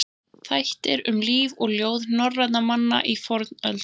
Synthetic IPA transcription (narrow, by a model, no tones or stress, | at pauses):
θajht̪ɪɾʏmliːvɔɣljoːwðnɔrːat̪namanːa̰ʔifɔɾt̪nœlt̪